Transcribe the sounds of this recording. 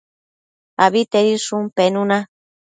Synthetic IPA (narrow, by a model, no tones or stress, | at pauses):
aβit̪eɾiʂumpenũna